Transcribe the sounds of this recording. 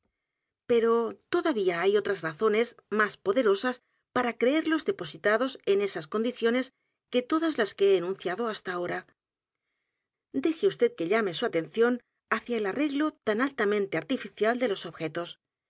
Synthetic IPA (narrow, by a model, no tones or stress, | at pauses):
pe̞ɾo̞t̪o̞ðaβiaajo̞t̪ɾazraθo̞ne̞zmaspo̞ðe̞ɾo̞sas | paɾakɾe̞eɾlo̞zðe̞po̞sit̪aðo̞se̞ne̞sasko̞nd̪iθjo̞ne̞s | ke̞t̪o̞ðazlaskeeːnũn̟θjaðo̞ast̪ao̞ɾa | d̪e̞xeust̪e̞ðke̞ʎame̞suat̪enθjo̞n | aθjaelare̞ɣlo̞t̪analt̪amẽnt̪eaɾt̪ifiθjald̪e̞lo̞so̞βxe̞t̪o̞s